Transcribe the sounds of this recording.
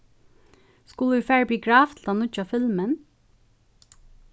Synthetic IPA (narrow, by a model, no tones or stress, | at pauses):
skʉləhʉːfæːɹbiːɡɹɑːft̪ʰl̩ɑːnʊt͡ʃɑfɪlmən